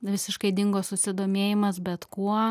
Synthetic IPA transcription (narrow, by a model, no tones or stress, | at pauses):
ʋʲɪsʲɪʃkɐɪd̪ʲɪŋɡoːssʊsʲɪd̪oːmʲeːjɪmɐsbʲɛt̪kuɔ